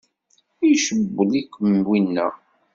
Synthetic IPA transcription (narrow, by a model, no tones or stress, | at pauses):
ijʃəbːəlikːəmwinːæ̰